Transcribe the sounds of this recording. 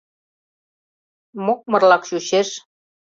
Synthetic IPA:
mok̚mɤ̆rlɑkʃuɕeʃ

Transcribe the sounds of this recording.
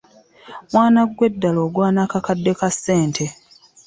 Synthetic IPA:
mwaːnaɡwe̞dːalo̞ːɡwaːnakakadːe̞kasːe̞ːntʰe̞

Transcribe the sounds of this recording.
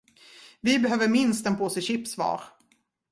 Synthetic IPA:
vɪbɛɦøːvəɾmɪnst̪ɛnpʰoːsɛɕɪpsvɑ̰ːɾ

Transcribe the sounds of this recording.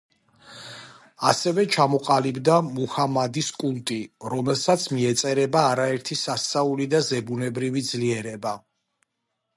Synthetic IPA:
asɛvɛt͡ʃʰamɔqʼalibd̪amuhamad̪iskʼulˠt̪ʼiɾɔmɛlˠsat̪sʰmiɛt̪sʼɛɾɛbaːɾaɛɾt̪ʰisast̪sʼaulid̪azɛbunɛbɾivid̪zliɛɾɛba

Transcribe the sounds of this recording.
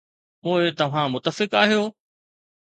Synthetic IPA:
poːɪt̪ɐʋ̤ãmʊt̪ːəfɪkaːɦijoː

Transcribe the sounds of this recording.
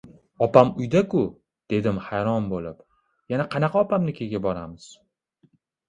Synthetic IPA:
ɒpamʊjd̪akʊ | d̪̥e̞d̪ɪmhajɾɒnbolɪp | janaqʰɑnɑqʰɑɒpamnɪkʲʰe̞ɡʲabɒɾamɪz̥

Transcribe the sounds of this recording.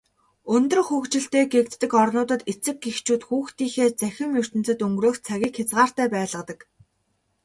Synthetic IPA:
ɵnt̪ɵ̆rxuːxt͡ɕɪ̆ɬt̪eːɡek̚t̪ːɘ̆kɔrnʊːt̪ə̆t̪et͡sɘ̆k̚ɡext͡ɕʰuːt̪xuːxt̪iːxeːt͡sæxʲɪ̆mjɵr̥t̪ɘ̆n̥t͡sɘ̆t̪ɵŋɡroːxt͡sʰaɣʲiːkxat͡sʁaːr̥t̪æːpæːɮə̆t̪ə̆k

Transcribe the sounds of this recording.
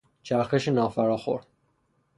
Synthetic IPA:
t͡ʃʰæɾxeʃenɒːfæɾɒːxo̰ɾ

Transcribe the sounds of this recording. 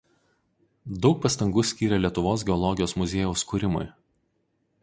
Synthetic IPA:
d̪ɒʊk̚pɐst̪ɐŋɡuːsʲkʲiːɾʲɛlʲiɛt̪ʊʋoːs̬ɡʲɛɔlˠɔɡʲɪjoːsmʊzʲeːjɛʊskuːɾʲɪmʊ̰j

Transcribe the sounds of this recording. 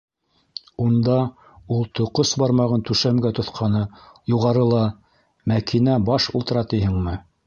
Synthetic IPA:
und̪ɑ | ulˠt̪ŏqosbɑɾmɑʁɤnt̪ʉʃæmɡæt̪ŏθqʰɑnɤjuʁɑɾɤlˠɑ | mækʰinæbɑʃṵlˠt̪ɤ̆ɾɑt̪ijɦɘŋmɘ

